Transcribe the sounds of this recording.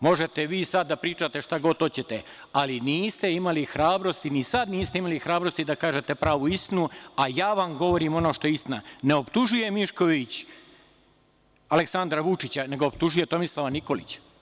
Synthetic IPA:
mo̞ʒe̞t̪eʋiːsad̪̚ːapɾiːt͡ʃat̪e̞ʃt̪aɡo̞t̪o̞t͡ɕet̪e | aliniːst̪e̞imalixɾaːbɾo̞st̪inisad̪niːst̪e̞imalixɾaːbɾo̞st̪id̪akaːʒe̞t̪e̞pɾaːʋuist̪inuajaːʋamɡo̞ʋo̞ɾiːmo̞no̞ːʃt̪o̞jeist̪inane̞o̞pt̪uʒuje̞miʃko̞ʋit͡ɕ | aleksand̪ɾaʋut͡ʃit͡ɕane̞ɡoopt̪uʒuje̞t̪o̞mislˠaʋaniko̞lḭt͡ɕ

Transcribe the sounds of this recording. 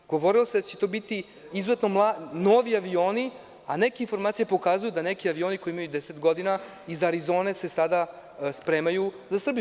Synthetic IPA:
ɡ̥o̞ʋo̞ɾilˠosed̪at͡ɕet̪o̞ːbit̪i | izuzet̪no̞mlˠano̞ʋiaʋio̞ːni | ane̞keinfo̞ɾmaːt̪sijepo̞kaːzujud̪anekiaʋio̞ːniko̞iimajud̪eset̪ɡo̞d̪ina | izaɾizo̞ːne̞se̞sad̪a | spɾe̞ːmajuzasr̩bij

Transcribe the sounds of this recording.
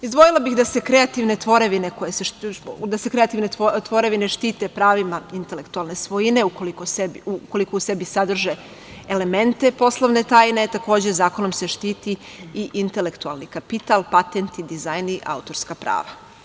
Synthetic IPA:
izd̪ʋo̞jilˠabixd̪ase̞kɾe̞at̪iʋne̞t̪ʋo̞ɾe̞ʋine̞ko̞jeseʃd̪ase̞kɾe̞at̪iʋne̞ot̪ʋo̞ɾe̞ʋine̞ʃt̪iːt̪epɾaːʋimaint̪ele̞kt̪ualne̞sʋojine̞ukolikosebuko̞likouse̞bisad̪r̩ʒe | ele̞me̞nt̪e̞po̞slˠoʋne̞t̪aːjne̞t̪ako̞ːd͡ʑezaːko̞nomse̞ʃt̪iːt̪iiʔint̪e̞le̞kt̪ua̰lˠnikapit̪alˠpat̪ent̪id̪izajniʔa̰ut̪o̞ɾskapɾa̰ːʋa

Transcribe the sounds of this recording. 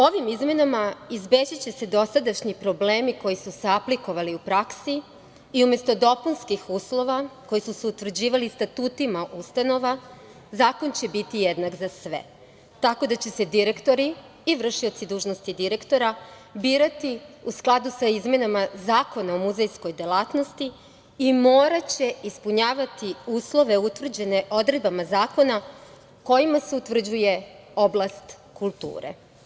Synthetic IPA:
o̞ʋimizme̞namaizbed͡ʑit͡ɕe̞se̞d̪o̞sad̪aʃɲipɾo̞ble̞ːmiko̞jisuseapliko̞ʋaliupɾaksi | iume̞st̪o̞d̪o̞punskixuːslˠo̞ʋakojisuseut̪ʋr̩d͡ʑiːʋalist̪at̪uːt̪imaʔust̪ano̞ʋa | zaːko̞nt͡ɕe̞bit̪ijed̪nakzasʋe̞̰ | t̪ako̞d̪at͡ɕe̞se̞d̪iɾe̞kt̪o̞ɾiː | ʋr̩ʃio̞t̪sid̪uːʒno̞st̪id̪iɾekt̪o̞ɾa | biːɾat̪iusklˠad̪usaizme̞namazaːko̞naomuzejsko̞jd̪elˠat̪no̞st̪iː | mo̞ːɾat͡ɕe̞ispuɲaːʋat̪iuːslˠo̞ʋe̞ut̪ʋr̩d͡ʑe̞ne̞ʔo̞d̪ɾe̞d̪̚bamazaːko̞na | ko̞jimase̞ut̪ʋr̩d͡ʑuje̞ | oblˠast̪ | kulˠt̪ṵːɾe̞̰

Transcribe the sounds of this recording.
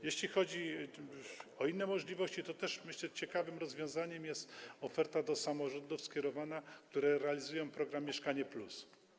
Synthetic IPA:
jeɕlʲixɔd͡ʑi | ɔinːɛmɔʐlʲivɔɕt͡ɕit̪ɔt̪ɛʂmɘɕlɛt͡ɕɛkavɘmɾɔzvʲjɔ̃w̃zaɲɛmjɛst̪ɔfɛɾt̪ad̪ɔsamɔʐɔnd̪ufskʲjɛɾɔvanak̚t̪uɾɛɾɛalʲizujɔ̃w̃pɾɔɡɾamʲːjɛʂkaɲɛplus

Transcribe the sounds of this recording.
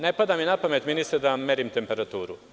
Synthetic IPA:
ne̞pad̪aminapame̞t̪minist̪ed̪ame̞ɾimt̪e̞mpe̞ɾat̪uːɾṵ

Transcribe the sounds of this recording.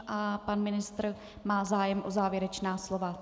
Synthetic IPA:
ʔapanmɪnɪst̪r | maːzaːjɛmʔo̞zaːvjɛɾɛt͡ʃnaːslo̞va

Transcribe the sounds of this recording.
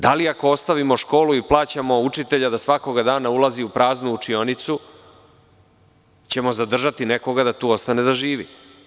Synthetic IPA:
d̪aliakoost̪aʋimo̞ʃko̞ːluiplˠaːt͡ɕamo̞ut͡ʂit̪e̞ʎad̪asʋako̞ɡad̪aːnaulaziupɾaːznuːt͡ʂio̞nit̪su | t͡ɕe̞mo̞zad̪r̩ʒat̪ine̞ko̞ɡad̪at̪uːo̞st̪ane̞d̪aʒiːʋḭ

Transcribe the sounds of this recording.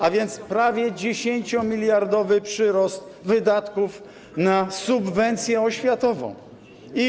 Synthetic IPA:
avʲjɛnt̪spɾavʲjɛd͡ʑeɕeɲt͡ɕɔmʲilʲjaɾd̪ɔvɘpʂɘɾɔst̪vɘd̪at̪kuf | nasubvɛnt̪sʲjɛɔɕfʲjat̪ɔvɔ̰̃w̃ | i

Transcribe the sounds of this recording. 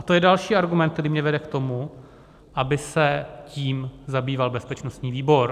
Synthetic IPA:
at̪ojɛdalʃiːʔaɾɡumɛnt̪̚t̪ɛɾiːmɲɛvɛdɛkt̪o̞mu | ʔabɪsɛciːmzabiːvalbɛspɛt͡ʃnost̪ɲiːviːbo̞ɾ

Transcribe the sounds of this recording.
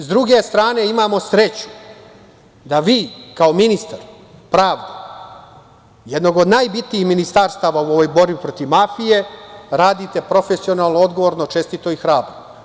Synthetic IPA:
zd̪ɾuɡe̞st̪ɾaːne̞imaːmo̞sɾe̞t͡ɕu̥ | d̪aʋiːkao̞minist̪aɾ | pɾaːʋd̪o | jed̪no̞ɡod̪naːjbit̪niːxminist̪aːɾst̪aːʋauo̞ʋo̞jbo̞ɾbipɾo̞t̪iʋmafije̞ɾaːd̪it̪e̞pɾo̞fesio̞naːlˠnood̪ɡo̞ʋo̞ɾnot͡ʃe̞st̪it̪o̞ixɾaːbɾo

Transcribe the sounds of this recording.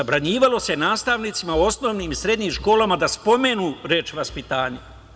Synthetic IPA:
abɾaɲiːʋalo̞se̞naːst̪aʋnit̪simauo̞sno̞ːʋniːmsɾe̞d̪ɲimʃko̞ːlamad̪aspo̞me̞nuːɾeːt͡ʃʋaspit̪aːɲa

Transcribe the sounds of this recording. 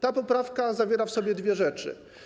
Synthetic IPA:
t̪apɔpɾafkazavʲjɛɾafsɔbʲjɛd̪vʲjɛʐɛt͡ʂɘ̰

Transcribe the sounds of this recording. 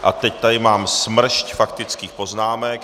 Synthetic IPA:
ʔa̰t̪ɛct̪adɪmaːmsmr̩ʃcfakt̪ɪt͡skiːxpo̞znaːmɛk

